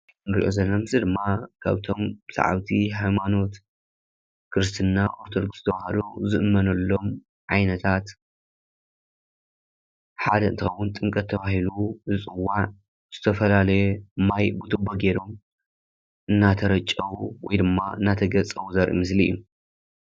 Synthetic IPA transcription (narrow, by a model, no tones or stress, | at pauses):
nɨɾḭʔo̞̰zɐlːɐmɨzɨd̪ɨmːakʰa̰βt̪ʰo̞mbɨsa̰ʕa̰wt̪ʰihajmano̞t̪ | kʰɨɾɨst̪ʰɨnːaʔo̞ɾt̪ʰod̪oɡszɨ̥t̪ʰɐβahɐluzɨʔɨmːɐnɐlːo̞m | ʕajnɐt̪ʰat̪ | ħad̪ɐɨ̰nt̪ixɐwːʊnt̪ʼɨŋkʼɐt̪ʰːɐβahiluzɨt͡sʼɨwːaʕ | z̥ɨt̪ʰɐfɐlalɐjemːajbut̪ʰɨboɡeɾo̞m | ʔɨnːat̪ʰɐɾɐt͡ʃʼːɐwuwɔ̰jd̪ɨmːaɨ̰nːat̪ʰɐɡɐt͡sʼɐwuzɐɾʔḭmɨsliɨ̰jːu